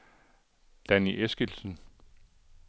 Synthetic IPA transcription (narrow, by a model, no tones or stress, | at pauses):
d̥æniʔesɡ̥ilsən